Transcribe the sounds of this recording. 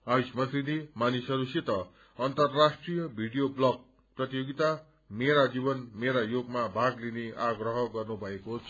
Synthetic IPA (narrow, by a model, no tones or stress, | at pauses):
aismʌt̪rid̪imanisʌɾusit̪ʌ | ʌnt̪ʌrasʈrijʌbʱiɽijoblʌɡ̚ | prʌt̪ijoɡit̪a | meɾad͡zibʌnmeɾajoɡmabʱaɡlineʔaɡrʌɦʌɡʌrnubʱʌekot͡sʰ